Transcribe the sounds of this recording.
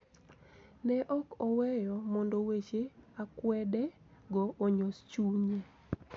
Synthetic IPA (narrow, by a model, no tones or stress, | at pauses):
nɛʔɔkɔwɛjɔmɔndowet͡ʃeakwɛdɛ | ɡɔːɲost͡ʃuɲe